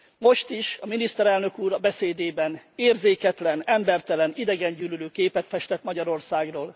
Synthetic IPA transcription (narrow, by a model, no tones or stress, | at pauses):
mo̞ʃt̪iʃɒminist̪ɛɾɛlnø̞kuːɾɒbɛseːd̪eːbɛneːrzeːkɛt̪lɛnɛmbɛrt̪ɛlɛnid̪ɛɡɛɲɟyːlyløːkeːpɛt̪fɛʃt̪ɛt̪mɒɟɒɾo̞rsaːɡroːl